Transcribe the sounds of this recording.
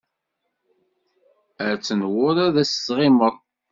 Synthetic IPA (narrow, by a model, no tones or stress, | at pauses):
əɾt͡sːənwʊɾæðæsːʁɪməɾˤ